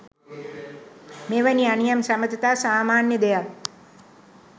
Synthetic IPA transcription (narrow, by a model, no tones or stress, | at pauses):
meːʋanianijamsamət̪ət̪aːsaːmaːnjəd̪ejak